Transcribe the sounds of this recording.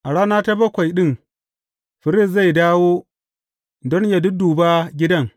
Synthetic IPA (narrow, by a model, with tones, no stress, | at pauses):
ʔa˨ɽaː˦naː˦ta˦bɐ˦kʷa˨jɗɪ˦˨ŋ | ɸɪ˨ɾɪ˦˨s̬za˦˨jdaː˦woː˦ | dɔ˦nja˨dʊ˦duː˨baː˦ɡʲɪ˦dɐ˦ŋ